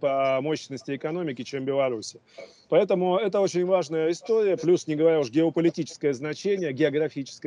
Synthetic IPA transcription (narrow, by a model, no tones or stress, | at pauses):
pəɐmo̞ɕɪnəsʲtʲɪɪkɐn̪o̞mʲɪkʲɪt͡ɕembʲɪlˠɐɾusʲɪ | pɐɛt̪əmʊɛt̪əo̞t͡ɕɪnʲvaʐnəjəɪst̪oɾʲɪjəplʲusnʲɪɡəvɐɾʲauʂɡʲɪəpəlʲɪtʲit͡ɕɪ̥skəjəznɐt͡ɕenʲɪjəɡʲɪɐɡɾɐfʲit͡ɕɪ̥skə